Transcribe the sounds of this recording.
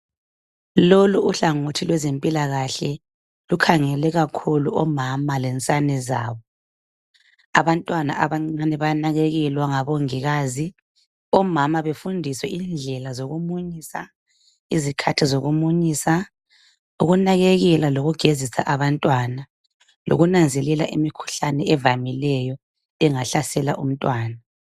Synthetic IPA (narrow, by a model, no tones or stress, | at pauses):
loluuɬaŋotʰilwɛzempʼilaɣaɬɛ | lukʰaŋɛlɛɣakʰuluɔmamalɛnt͡sʼanɛza̰ːβɔ | aβantʼwana̰ʔaβaŋ͡ǀanɛβanaɣeɣɛlwaŋaβoŋiɣaːzi | ɔmamaβefundʱiswɛʔind͡ɮʱɛlazoɣumuɲisa̰ | izikʰatʰizoɣumuɲiːsa | uɣunaɣeɣɛlaloɣuɡ̥ʱezisa̰ʔaβantʼwana | lo̰ɣunand͡zʱɛlɛlaʔimikʰu̥ɬanɛɛvamilɛjɔ | ɛŋaɬasɛlaʔum̩tʼwaːna